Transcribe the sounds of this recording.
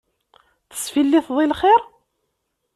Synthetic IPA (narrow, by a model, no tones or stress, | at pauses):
θə̥sfilːiθðˤilχɪɾ